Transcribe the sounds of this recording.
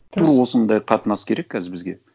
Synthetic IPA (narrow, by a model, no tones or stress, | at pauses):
t̪ʰuɾwo̞sənd̪ɑjqʰɑt̪ənɑskʲʰe̞ɾe̞kʲːʰæzɪɾbɪzɡʲe̞̰